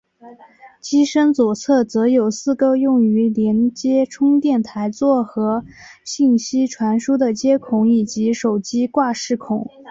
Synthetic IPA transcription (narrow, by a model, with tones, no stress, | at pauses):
t͡ɕi˥ʂə˥nt͡swɔ˨˩t͡sʰɤ˥˩t͡sɤ˧˥jo˨˩ʊsɹ̩˥˩kɤ˥jʊ˥˩ŋy˧˥ljɛ˧˥nt͡ɕjɛ˥ʈ͡ʂʰʊ˥ŋt̪jɛ˥˩nt̪ʰa˧˥ɪt͡swɔ˥˩xɤ˧˥ɕi˥˩ŋɕi˥ʈ͡ʂʰwa˧˥nʂu˥d̪ə˨t͡ɕjɛ˥kʰʊ˧˥ŋi˨˩t͡ɕi˧˥ʂo˨˩ʊt͡ɕi˥kwa˥˧ʂɻ̩˥˩kʰʊ˨˩˦ŋ